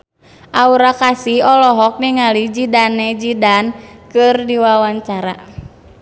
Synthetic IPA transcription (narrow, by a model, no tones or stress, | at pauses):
ʔauɾakasihɔlɔɦɔk̚niŋalid͡ʒidanːɛd͡ʒidankɨrdiwawaɲt͡ʃaɾa̰